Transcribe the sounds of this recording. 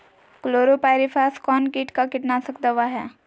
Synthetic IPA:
kloːɾopaːɪɾipʰaːskɔːnkiːʈkakɪʈnasɐkd̪əʋaɦɛː

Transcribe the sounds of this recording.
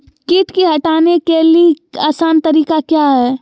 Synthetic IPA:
kɪʈkiɦɐʈaːnekelieaːsaːnt̪ɐɾiːkakjaːɦɛː

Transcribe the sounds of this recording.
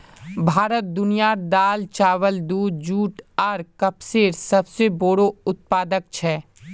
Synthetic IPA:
bʱaːɾət̪̚d̪ʊnijaːd̪aːlt͡ʃaːʋəld̪uːd̪̚d͡ʒuːʈaɾkɐpseːɾsɐbseboːɽoʊt̪̚paːd̪ək̚t͡ʃʰɛː

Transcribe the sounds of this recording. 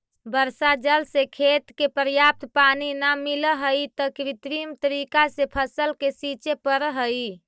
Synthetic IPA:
bəɾsad͡ʒəlsekʰet̪kepəɾjap̚t̪paninamiləɦəjt̪əkɾit̪ɾimt̪əɾikasepʰəsəlkesit͡ʃepəɾɦəi

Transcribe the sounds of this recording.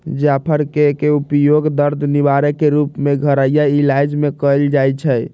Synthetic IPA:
d͡ʒapʰəɾkekeupjoɡd̪əɾd̪ʱniβaɾekeɾupmeɡʱəɾəjailajd͡ʒmekəjld͡ʒajt͡ʃʰəj

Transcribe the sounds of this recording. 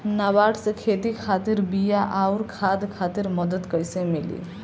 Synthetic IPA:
nabaʈsẽkʰeːt̪ikʰaːt̪iɾbijaʔaʊɾkʰad̪kʰaːt̪iɾməd̪ət̪kəjsemilḭ

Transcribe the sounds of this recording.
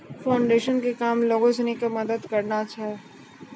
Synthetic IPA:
faːʊɳɖeːʃənkekaːmloːɡõsenikamɐd̪əd̪kɐɾnat͡ʃʰaɦɛ

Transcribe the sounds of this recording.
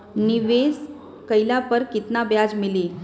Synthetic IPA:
niʋes | kəjlapəɾkit̪nabjad͡zmili

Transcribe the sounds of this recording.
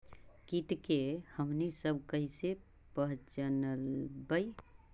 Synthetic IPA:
kiʈkehəmnisəbkəɦise | pəɦt͡ʃənəlbəi

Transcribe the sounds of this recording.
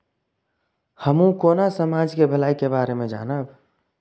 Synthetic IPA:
həmũkoːnasəmad͡ʒkebʱəlaːikebaːɾemẽd͡ʒa̰ːnəb

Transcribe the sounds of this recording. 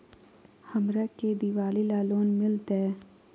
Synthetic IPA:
həmɾaked̪iʋaːlilaːloːnmɪlt̪ɛː

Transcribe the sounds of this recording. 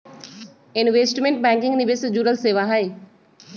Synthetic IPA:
ɪnʋeːsʈmẽɳʈ̚bɛ̃ːŋkɪ̃ŋɡniʋesd͡ʒuɾəlseːʋaɦəj

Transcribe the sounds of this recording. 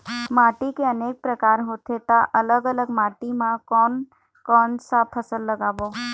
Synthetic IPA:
maːʈikeəneːk̚pɾəkaːɾɦoːt̪ʰet̪aʔələɡələɡmaːʈimãkɔːn | kɔːnsapʰəsəlːəɡaːboː

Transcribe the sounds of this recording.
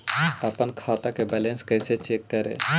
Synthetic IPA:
əpənkʰaːt̪akebɛlẽnskəɪset͡ʃeːkːəɾḛ

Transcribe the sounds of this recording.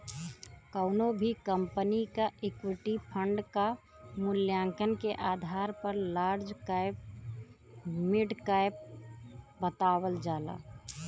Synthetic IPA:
kəʊnobʱikəmpənikaʔekwiʈipʰəɳɖka | mʊljãŋkənkeʔaːd̪ʱaɾpəɾlaːɾd͡ʒkaɪp | miɖkaɪp̚ | bət̪awəld͡ʒaːla̰

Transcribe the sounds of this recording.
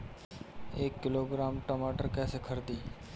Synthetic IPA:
eːkːɪloːɡɾaːmʈəmaːʈəɾkɛːsekʰəɾd̪iː

